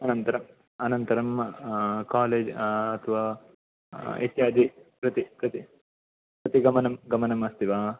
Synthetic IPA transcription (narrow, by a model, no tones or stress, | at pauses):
ɐnɐnt̪ɐɾɐm | ɐnɐnt̪ɐɾɐm | kaːleːd͡ʒɐt̪ʰɐʋaː | ḛt̪jaːd̪ipɾɨt̪ikɾɨt̪i | pɾɨt̪iɡɐmɐnɐmɡɐmɐnɐmɐst̪iʋaː